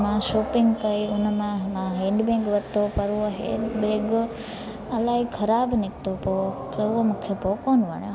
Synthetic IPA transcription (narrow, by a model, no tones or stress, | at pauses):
mãʃoːpiŋɡkəiunmããɦẽɳɖbẽɡʋət̪opəɾuoɦḛ̃ɖbẽɡ | əlaikʰəɾabnik̚t̪opo | tooməkʰːepokonʋə̰ɳe